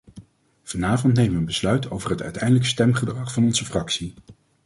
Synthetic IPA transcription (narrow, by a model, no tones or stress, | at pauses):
v̥ɑnaːvɔntnejməʋənbəslœɥtʰowvərɦətœ̰ɥtɛjndələkstɛmχədrɑχfɑnɔnzəfrɑksi